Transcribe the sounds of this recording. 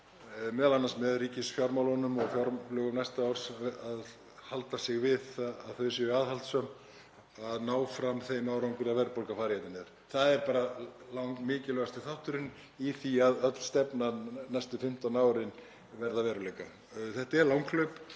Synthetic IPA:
mɛːðalanansmɛðriːcɪsfjaɾmawlɔnʏmɔɣfjɔɾlœːɣʏnajst̪aawɾ̥sað | halt̪asɪɣvɪðaaðθœɥs̬ɛaːðhalt̪sœm | aðnaːwfɾamθejmawɾawŋkʏɾavɛɾpolkafaːɾjajt̪ɪnɛɾ̥ | θaðɛɾpaːɾalawŋkmɪːcɪlœɣast̪ɪθaht̪ʏɾɪn | iθiaðœt̪l̥st̪ɛpnanajst̪ʏfɪm̥t̪anaːwɾɪn | vɛɾðavɛːɾʏleːjka | θɛht̪aɛɾlawŋkʰlœɥp

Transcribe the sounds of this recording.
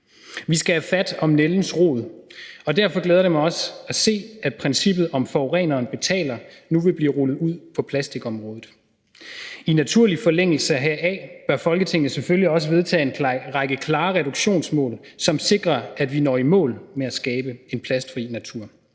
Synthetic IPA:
ʋisɡ̥æhæfæd̥ɒ̽mneln̩sʁo̝̰ːðˠɒ̽d̥æɐ̰fɒ̽ɡ̥leːðˠɐɾ̥emæɒ̽sæse̝̰ːæd̥̚pʰʁɛnsib̥ð̞̩ˠɒ̽mfɒʊʁɛ̰ːnɐːnb̥e̝t͡sʰɛ̰ːlɐnuʋe̝b̥liːʁolð̩ˠuð̞̰ˠpʰɒ̽pʰlæsd̥iɡ̥ɒ̽mʁɔ̽ːð̩ˠ | inæt͡sʰuɐ̰lifɒ̽leŋ̰l̩səɦæɐ̰ɛb̥ɶɐfɒ̽lɡ̥ət͡sʰe̝ŋn̩seføliɒ̽s̬əʋe̝ð̞ˠt͡sʰɛ̰ːe̝nʁaɡ̥əkʰlɑ̈ːʁɛɾuɡ̥ɕo̝̰ːnsmɔ̰̽ːl | sɒ̽mse̝ɡ̥ʁɐʔæd̥ʋinɒ̰ːimɔ̰̽ːlmeæsɡ̥ɛːb̥əe̝npʰlæsd̥fʁḭnæt͡sʰuɐ̰

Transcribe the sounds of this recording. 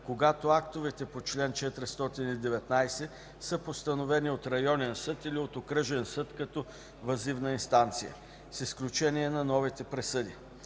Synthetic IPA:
koɡat̪oakt̪ovɛt̪ɛpot͡ʃlɛnt͡ʃɛt̪ɾɛst̪ɔt̪inid̪ɛvɛt̪najsɛ | səpost̪ɐnovɛniot̪ɾɐjɔnɛnsɤt̪iliot̪okɾəʒɛnsɤt̪kɐt̪ɔ | vɐzivnəinst̪ant̪sijə̰ | sisklʲut͡ʃɛniɛnɐnɔvit̪ɛpɾɛsɤd̪i

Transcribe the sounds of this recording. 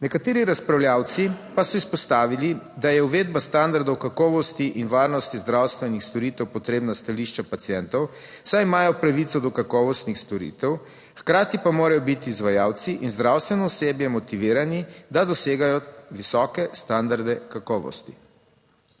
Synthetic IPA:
nɛkat̪eːɾiɾaspɾawljawt̪sipasɔispɔst̪aːʋilid̪ajɛuʋeːd̪bast̪and̪aɾd̪ɔwkakɔːʋɔst̪iʔinʋaːɾnɔst̪izd̪ɾawst̪ʋɛnixst̪ɔɾit̪ɛwpɔt̪ɾeːbnast̪aliʃt͡ʃapat̪sjɛnt̪ɔw | sajmaːjɔpɾaʋit̪sɔd̪ɔkakɔːʋɔst̪nixst̪ɔɾḭːt̪ɛw | xkɾaːt̪ipamoːɾajɔbit̪iːzʋajawt̪siʔinzd̪ɾawst̪ʋɛnɔuseːbjɛmɔt̪iʋiːɾanid̪ad̪ɔseːɡajɔʋisɔːkɛst̪and̪aɾd̪ɛkakɔːʋɔ̰st̪ḭ

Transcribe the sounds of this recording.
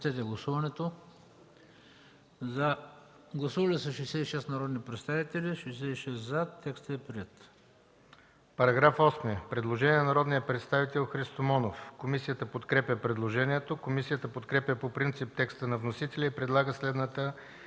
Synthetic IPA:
t̪ɛt̪̬ɛɡlˠɐsuvɐnɛt̪o | zɐ | ɡlˠɐsuvɐlɛsɐʃɛjsɛiʃɛsnɐɾɔd̪nipɾɛt̪st̪avit̪ɛlʲiʃɛjs̬ɛiʃɛszat̪ːɛkst̪əɛpɾiɛt̪ | pɐɾɐɡɾafɔsmiəpɾɛd̪lˠoʒɛniɛnnɐɾɔd̪nijəpɾɛt̪st̪avit̪ɛlˠxɾist̪omɔnofkomisijət̪əpot̪kɾɛpʲjəpɾɛd̪lˠoʒɛniɛt̪okomisijət̪əpot̪kɾɛpʲjəpopɾint̪sip̚t̪ɛkst̪ənɐvnosit̪ɛlʲɐipɾɛd̪lˠaɡəslɛd̪nət̪ə

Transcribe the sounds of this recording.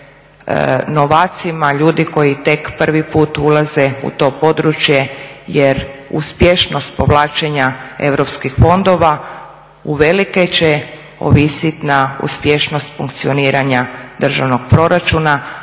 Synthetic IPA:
noʋaːt̪simaʎuːd̪iko̞jit̪e̞kpr̩ʋipuːt̪ulaze̞ṵt̪o̞ːpo̞d̪ɾut͡ʃje̞jeɾṵspjeʃno̞st̪po̞ʋlˠaːt͡ʃe̞ɲae̞̰ʋɾo̞pskixfo̞nd̪o̞ʋa | uʋe̞like̞t͡ɕe | o̰ʋisit̪naṵspje̞ʃno̞st̪fuŋk̚t̪sio̞niːɾʔaɲad̪r̩ʒaʋno̞ɡ̥̚pɾo̞ɾat͡ʃuna

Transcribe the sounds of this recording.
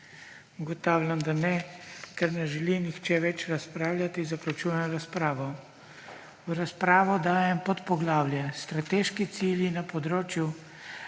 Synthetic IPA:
uɡɔt̪aːwlʲamd̪anɛkɛɾnɛʒɛlinixt͡ʃɛʋɛt͡ʃɾaspɾaːwlʲat̪izaklat͡ʃujɛnɔɾaspɾaːʋɔ | ɾaspɾaːʋɔd̪aːjɛmpɔt̪pɔɡlaːwlʲjɛst̪ɾat̪eʃkit̪siljinapɔd̪ɾoːt͡ʃju

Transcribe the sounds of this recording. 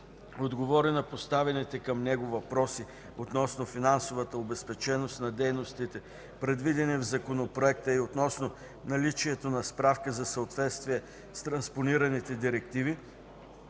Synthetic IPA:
od̪ɡovɔɾinɐpost̪avɛnit̪ɛkɐmnɛɡovɐpɾɔsi | ot̪nɔsnofinansovət̪əobɛspɛt͡ʃɛnost̪nɐd̪ɛjnost̪it̪ɛ | pɾɛd̪vid̪ɛnɛvzɐkonopɾoɛk̚t̪əiot̪nɔsno | nɐlit͡ʃiɛt̪onɐspɾafkəzɐsɐot̪vɛt̪st̪viɛ | st̪ɾɐnsponiɾɐnit̪ɛd̪iɾɛkt̪ivi

